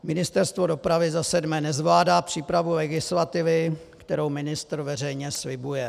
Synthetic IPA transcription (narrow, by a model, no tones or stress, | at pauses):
mɪnɪst̪ɛɾst̪vo̞do̞pɾavɪzasɛdmɛːnɛzvlaːdaːpr̝̥iːpɾavulɛɡɪslat̪ɪvɪ | kt̪ɛɾowmɪnɪst̪ɾ̩vɛrɛjɲɛslɪbujɛ